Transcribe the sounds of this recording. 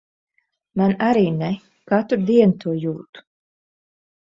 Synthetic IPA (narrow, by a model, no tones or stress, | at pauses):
manaɾiːnɛ | kat̪uɾd̪iɛnt̪ʰuɔjuːt̪u̥